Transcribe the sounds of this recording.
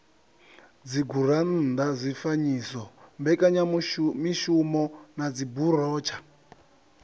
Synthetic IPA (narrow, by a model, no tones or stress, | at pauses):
d͡ziɡʱuɾan̩nd̪azʷifaɲisɔmbɛkʼaɲamiʃumɔnad͡ziburɔːt͡ʃʰḁ